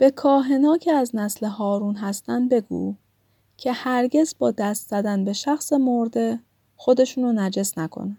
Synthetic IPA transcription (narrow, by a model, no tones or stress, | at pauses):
b̥e̞kʰɒːɦe̞nɒːcʰeæznæsle̞ɦɒːɾuːnɦæst̪ænd̪̚be̞ɡṵː | cʰe̞hæɾɟe̞zbɒːd̪æst̪z̥æd̪ænbe̞ʃæxsemoɾd̪e̞ | xo̞d̪e̞ʃuːnonæd͡ʒe̞snækʰo̰næn̥